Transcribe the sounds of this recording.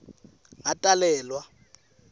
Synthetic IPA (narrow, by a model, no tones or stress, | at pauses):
ŋatʼalɛːlwa